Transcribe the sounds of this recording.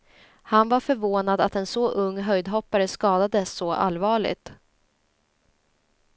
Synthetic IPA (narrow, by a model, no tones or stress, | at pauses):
hanvaɾfœɾvoːnad̪at̪ɛnsɔʔɵŋːɦœjd̪ɦɔpːaɾəskɑːd̪ad̪əsːɔʔa̰lːvɑːɭɪ̰ɡt̪